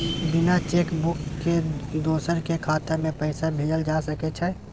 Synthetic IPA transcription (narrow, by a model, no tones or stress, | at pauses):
bɪnat͡ʃeːkbʊkːed̪oːsəɾkekʰaːt̪əmẽpɛɪsabʱeːd͡ʒəld͡ʒaːsɐket͡ʃʰɛ